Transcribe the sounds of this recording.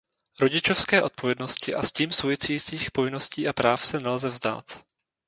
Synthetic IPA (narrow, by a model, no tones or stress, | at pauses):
ɾo̞ɟɪt͡ʃo̞fskɛːʔo̞t̪̚po̞vjɛdno̞scɪʔasciːmsowvɪt͡sɛjiːt͡siːxpo̞vɪno̞sciːʔapɾaːfsɛnɛlzɛvzda̰ːt̪